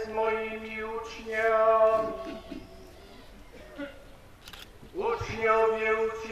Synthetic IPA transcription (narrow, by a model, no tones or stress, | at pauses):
zmɔjimʲiut͡ʂɲamʲi | ut͡ʂɲɔ̃mʲjɛut͡s